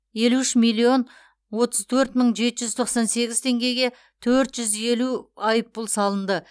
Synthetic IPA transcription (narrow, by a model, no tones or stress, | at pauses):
je̞luɪʃmijlːio̞n | wo̞t̪əzt̪ʰɵɾt̪məɴʒe̞t̪ɪʒʏzt̪ʰo̞qsɑnse̞ɡʲɪzt̪ʰe̞ŋɡʲe̞jɡʲe̞ | t̪ʰɵɾt̪ʒʏze̞luɑjəpːʊlˠsɑlˠənd̪ə